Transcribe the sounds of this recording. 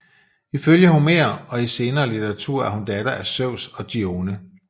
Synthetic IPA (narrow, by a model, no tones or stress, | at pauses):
iføljəhunme̝̰ɐɒ̽ise̝ːnɐːlit͡sʰeʁɑ̈t͡sʰṵɐ̰æɐhund̥ɛɾ̥ɐʔæsøʊ̰sɒ̽d̥io̝ːnə